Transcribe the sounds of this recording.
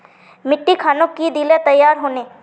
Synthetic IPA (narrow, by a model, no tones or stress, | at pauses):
mɪʈːikʰaːnokkid̪ilet̪ɐjːaːɾɦoːneː